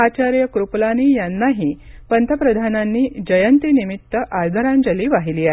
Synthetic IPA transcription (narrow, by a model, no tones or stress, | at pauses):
at͡ɕaɾjəkɾuplaniːjanːaɦipənt̪ʰəpɾəd̪ʱananːiːd͡ʑəjənt̪inimit̪ːəʔaɾd̪ʱəɾãnd͡ʑəliːʋaɦiliːaɦe